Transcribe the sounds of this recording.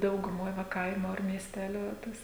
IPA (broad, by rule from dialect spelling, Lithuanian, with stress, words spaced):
dɐʊɡʊˈmoːj ʋɐ ˈkɐɪmʊ ɐr mʲiɛsʲˈtʲæːlʲʊ ˈtɐs